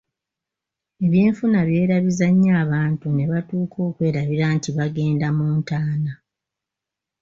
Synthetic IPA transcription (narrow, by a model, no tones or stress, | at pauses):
e̞βjeːɱfunaβje̞ːɾaβizaɲːaːβaːntune̞βatuːkʰo̞ːkwe̞ːɾaβiɾaːntiβaɡe̞ːndamuːntaːna